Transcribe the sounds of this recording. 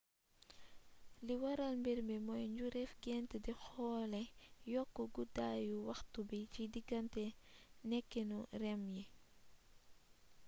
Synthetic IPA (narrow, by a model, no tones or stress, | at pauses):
liwɐɾalmbiɾmimɔjɲɟuɾɛfɡɛntədixɔːlɛjɔkːuɡudaːjuwɐxtubicidiɡɐntɛnɛkːinurɛmji